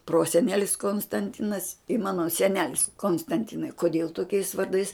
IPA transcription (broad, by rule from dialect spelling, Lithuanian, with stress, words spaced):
ˈproːsʲɛnʲɛlʲɪs koːnstɐnʲˈtʲɪnɐs ɪ ˈmɑːnoː sʲɛˈnʲæːlʲɪs koːnstɐnʲˈtʲɪnɐɪ koːˈdʲeːlˠ toːˈkʲɛɪs ʋɐrˈdɐɪs